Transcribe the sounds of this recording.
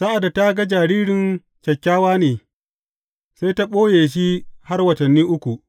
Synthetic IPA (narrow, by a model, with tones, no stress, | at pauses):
sa˦ʔa˨da˨ta˦ɡa˦d͡ʒaː˨ɾiː˦ɽɪ˨n | t͡ʃʲɐ˨kʲːaː˦waː˦neː˨ | sa˦jta˦ɓoː˦jeː˨ʃ̬i˦ha˦rwɐ˨tɐ˨nːiː˦ʔʊ˦kʷu˨ʔ